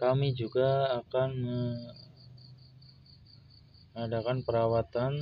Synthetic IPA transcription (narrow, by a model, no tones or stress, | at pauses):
kamid͡ʒuɡaːkanmə | adakanpəɾawat̪an